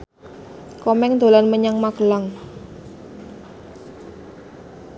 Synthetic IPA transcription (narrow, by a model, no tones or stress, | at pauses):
kɔmɛŋd̪o̤lanməɲaŋmaɡ̥əlaŋ